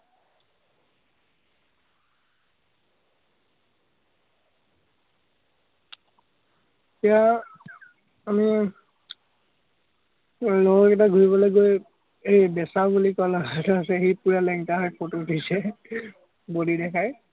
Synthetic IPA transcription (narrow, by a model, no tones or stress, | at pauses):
tia | ami | loɔkɛt̬aɡʱuɹibɔlojɡoj | ejbɛsabulikɔlɔɡatasɛxejpuɹalɛŋtaɦɔjpʰototʰisɛ | bodidɛkʰaj